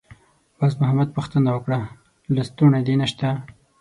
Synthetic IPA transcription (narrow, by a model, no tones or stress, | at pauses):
basmʊɦamad̪̚pəxt̪ənawəkɽa | last̪unad̪enaʃt̪a